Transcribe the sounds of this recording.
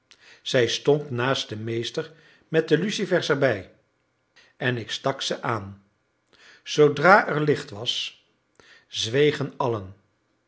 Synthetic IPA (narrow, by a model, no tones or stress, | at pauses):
z̥ɛjstɔntnaːst̚dəmejstəɹ | mɛt̚dəlysivɛɹsɛɹbɛj | ɛnɪkstɑksəʔaːn | z̥owdraːʔɛɹlɪχtʋɑs | zʋejχənɑlən